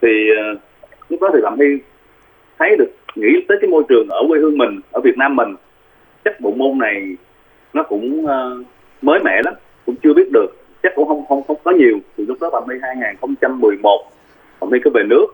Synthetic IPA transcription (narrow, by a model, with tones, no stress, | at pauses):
t̪ʰiː˨˩˨ | lʊ˦˥k͡p̚ɗɔ˨˦t̪ʰi˨˩ɓa̰ː˧˨˩mʰi˧ | t̪ʰə˨˦jɗɨ˨˩ək̚ŋḭ˧˥t̪əː˨˦jkaː˨˦jmo˧jt͡ɕɨ˨˩əŋʔəː˧˩we˧hɨ˧əŋmï˨˩ŋ̟ʔəː˧˩vi˨˩ət̚naː˧mːï˨˩ŋ̟ | t͡ɕa˦˥k̚ɗo̰˧˨mo˧nna˨˩j | nɔ˨˦kʊ̰˧˥ŋ͡məː˧˩ | məː˨˦jmɛ̰˧˨la˨˦m | kʊ̰˧˥ŋ͡mt͡ɕɨ˧ɓi˦˥ət̚ɗɨ˨˩ək̚ | t͡ɕa˦˥k̚kʊ̰˧˥ŋ͡mhə˧wŋ͡mxə˧wŋ͡mxə˧wŋ͡mkɔ˨˦ɲi˨˩əwt̪ʰi˨˩lʊ˦˥k͡p̚ɗɔ˨˦ɓaː˨˩mti˧ɦaː˧jŋaː˨˩ŋxə˧wŋ͡mt͡ɕa˧mːɨ˨˩əjmo˨˩t̚ | ɓa̰ː˧˨˩mʰi˧kə˨˦ve˨˩nɨ˦˥ək̚